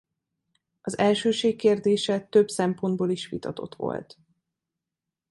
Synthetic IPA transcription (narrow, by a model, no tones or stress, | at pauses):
ɒzɛlʃøːʃeːkkːeːrd̪eːʃɛt̪ø̞bsɛmpo̞nd̪̚boːliʃʋḭt̪ɒt̪o̞̰t̪ʋo̞̰lt̪